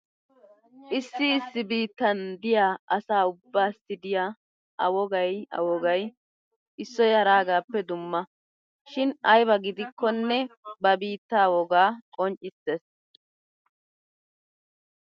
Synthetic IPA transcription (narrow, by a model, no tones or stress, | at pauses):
ʔɪsːɪːsːɪbiːt̪ːɐnd̪ɪjaːɐsaːʊbːaːst̪ɪd̪ɪjaː | ʔɐwɔɡɐjɐ̰wɔɡɐj | ʔɪsːɔjhɐɾaːɡaːpːɛd̪ʊmːɐ | ʃɪnɐjbɐɡɪd̪ɪkːɔnːɛbɐbiːt̪ːaːwɔɡaːkʼɔnt͡ʃʼːɪseːs